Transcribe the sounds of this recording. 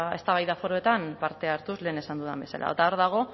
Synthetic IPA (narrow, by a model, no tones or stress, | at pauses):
e̞st̪aβajðafo̞ɾo̞et̪ampaɾt̪e̞aɾt̪uzle̞ːne̞sand̪uða̰mbe̞sa̰la̰t̪aoɾðaɣ̞o̞